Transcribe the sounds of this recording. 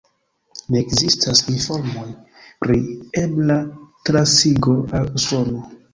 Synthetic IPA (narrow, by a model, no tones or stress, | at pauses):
nekzistʰasinfo̞ɾmo̞j | pɾieblatɾasiɡo̞aluso̞no